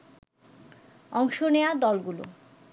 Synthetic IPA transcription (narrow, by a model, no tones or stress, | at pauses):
ɔŋʃonead̪ɔlɡulo̰